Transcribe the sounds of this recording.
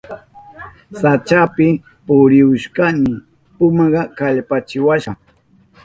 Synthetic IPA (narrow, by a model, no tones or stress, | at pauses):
sat͡ʃapɪ | pʊɾɪʊʃkanɪ | pʊmɑɢɑkaʎpat͡ʃɪwaʃɑ